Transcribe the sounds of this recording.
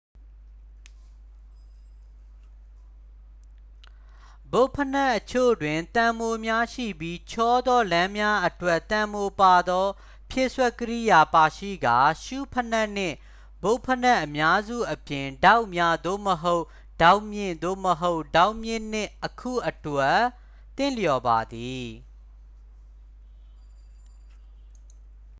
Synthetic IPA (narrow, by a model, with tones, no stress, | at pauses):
bo˦pʰəna˦˨ʔət͡ɕʰo̰˦˨dwɪ̃˨nt̪ã˨mo˨mja˦ʃḭ˦˨bji˦t͡ɕʰɔ˦d̪ɔ˦lã˦mja˦ʔətwɛ˦ʔt̪ã˨mo˨pa˨d̪ɔ˦ | pʰjɪ˦ʔswɛ˦˨kːəɾi˦˨ja˨pa˨ʃḭ˦˨ɡa˨ʃu˦˨pʰəna˦˨n̥ɪ̰̃˦˨ | bo˦ʊ̃pʰəna˦ʔəmja˦zṵ˦˨ʔəpjɪ̃˨nda˦ʊʔmja˦d̪o̰˦˨məɦo˦ʊʔ | d̥ã˦ʊʔmjɪ̰̃˦˨nd̪o̰˦˨məɦo˦ʊʔd̥a˦ʊʔmjɪ̃˦˨n̥ɪ̃˦˨ʔəkʰṵ˦˨ʔətwɛ˦ | t̪ːɪ̃˦˨ljɔ˨ba˨d̪i˨